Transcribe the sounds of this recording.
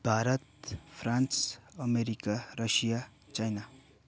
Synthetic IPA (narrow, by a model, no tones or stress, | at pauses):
b̥ʱaɾət̪pʰɾansəmeɾikaɾəʃija | t͡ʃajna